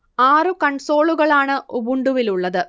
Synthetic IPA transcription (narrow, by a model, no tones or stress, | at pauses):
aːrɨkɐɳso̞ːɭuɣɐɭaːɳɨʔubuɳɖuʋiluɭːɐðɨ